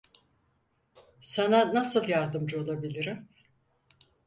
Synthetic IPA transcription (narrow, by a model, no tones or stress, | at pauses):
sananasɯlˠjaɾd̪ɯmd͡ʒɯo̞lˠabilʲiɾim